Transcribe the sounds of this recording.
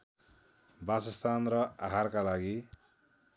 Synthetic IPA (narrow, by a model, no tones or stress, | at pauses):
basʌst̪anrʌaɦarkalaɡi